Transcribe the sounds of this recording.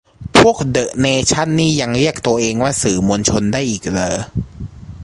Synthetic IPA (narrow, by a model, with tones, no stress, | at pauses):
pʰu˥˩ək̚dɤ˨˩ʔneː˧t͡ɕʰa˥˩nːiː˥˩ja˧ŋɾi˥˩ək̚t̪u˧ɐʔeː˧ŋwaː˥˩sɯː˨˩˦mo˧nt͡ɕʰo˧ndaː˥˩jʔiː˨˩k̚lɤː˧